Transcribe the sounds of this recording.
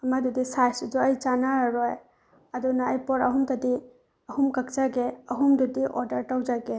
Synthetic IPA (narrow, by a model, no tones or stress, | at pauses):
ɐmad̪udisajsdɔəjt͡ʃanaɾɔj | adɔnaːjpɔɾɐɦumt̪adi | ɐhumkakzaɡeɐɦumdudiʔɔdaɾʈawd͡ʒaɡe